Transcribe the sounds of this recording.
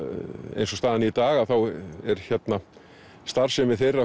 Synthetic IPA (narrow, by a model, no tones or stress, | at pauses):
ḛjnsɔst̪aːðɪniit̪aːɣaðθawɛɾ̥çɛt̪na | st̪aɾ̥sɛmɪθejrːa